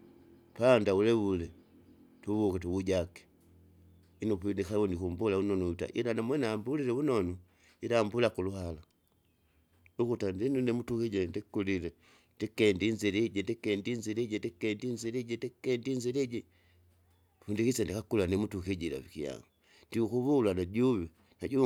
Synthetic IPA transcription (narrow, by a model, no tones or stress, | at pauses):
pandaulɛulɛ | tuβukɛtuβuɟakɛ̥ | inupinikawɔnikumbulaunɔnuuta̰ʔḭlanamwɛnaːmbulilɛunɔnu | ilaːmbulakuluɦala | ukutandinunɛmutukiɟɛndikuliɾɛ | ndikɛndinziɾiɟɛndikɛndinziɾiɟɛndikɛndinziɾiɟɛndikɛndinziɾɛɟɛ | fundikisandikakulanɛmutukiɟila̰fikija̰ŋɡu | ndiukuβulanaɟuβi | naɟu